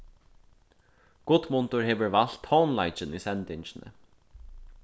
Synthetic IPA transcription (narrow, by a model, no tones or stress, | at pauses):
ɡ̥ʊt̪mʊnt̪ʊɹheːʋəɹval̥t̪hɔːnlajt͡ʃɪniːsɛnt̪ɪɲt͡ʃɪnə̰